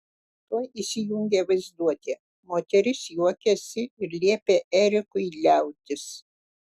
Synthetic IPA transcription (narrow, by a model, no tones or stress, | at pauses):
t̪ujiːsʲɪjʊŋʲɡʲeʋɐɪzd̪uɔt̪ʲeː | moːt̪ʲɛɾʲɪsjuɔkʲɛsʲɪɪɾlʲiɛpʲeːʔɛɾʲɪkʊɪlʲæˑʊt̪ʲɪs